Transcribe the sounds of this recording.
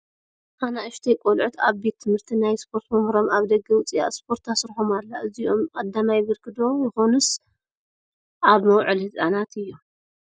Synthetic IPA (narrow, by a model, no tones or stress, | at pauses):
hanaʔɨʃt̪ʰejkʷʼolʕut̪ʰaβbet̪ʰːɨmhɨɾt̪ʰinajspʰo̞ɾt̪mɐhɾo̞maβd̪ɐɡːɐwʊt͡sʼija̰spʰo̞ɾt̪ʰasɾħomalːaʔɨzio̞mkʼɐd̪ːamajɪβɐɾkʰɨd̪o̞jɨxo̞nus | ʔaβmɐwʕɨlhɨzʼanat̪ʰɨjːu